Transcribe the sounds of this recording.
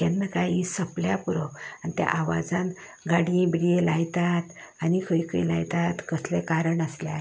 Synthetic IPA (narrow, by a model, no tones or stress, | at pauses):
anːəkajisəpljapuɾəanit̪ja̰ʔaʋa̰d͡zãn | ɡaɽĩbiɽijelajt̪at̪ | anikʰəjkʰəjlajt̪at̪kəslɛkaɾəɳəslja̰